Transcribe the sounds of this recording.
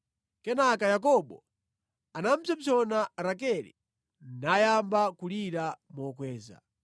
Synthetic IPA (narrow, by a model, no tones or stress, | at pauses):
kɛnakajak̬ɔɓɔ̰ | anam̩t͡ʃʰab͡ʐʰɔnaɾakɛlḭ | najambakuliɾamɔkwɛːza̰